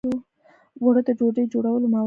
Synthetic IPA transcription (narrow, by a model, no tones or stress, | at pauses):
o | waɽəd̪əd͡ʒoɖəjd͡ʒoɽawəlomɑw